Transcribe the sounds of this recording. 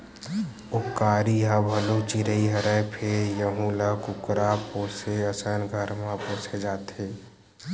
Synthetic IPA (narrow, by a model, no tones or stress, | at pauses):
ʊkaːɾiɦãbʱəlot͡ʃiɾəiɦəɾəpʰeɾjəɦũləkukɾapoːseəsənɡʱəɾmãpoːsed͡ʒaːt̪e